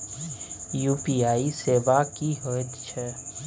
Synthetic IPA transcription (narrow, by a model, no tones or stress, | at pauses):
juːpiːaːiseːʋakiɦot̪t͡ʃʰɛ